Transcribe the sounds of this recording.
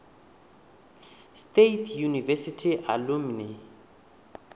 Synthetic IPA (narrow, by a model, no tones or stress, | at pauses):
stetʰjunivɛsitʰiʔalumni